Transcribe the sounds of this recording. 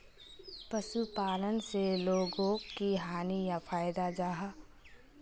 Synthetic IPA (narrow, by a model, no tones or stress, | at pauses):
pəʃupaːlənseloːɡõkiɦaːnijafʰaːjd̪ad͡ʒaːɦa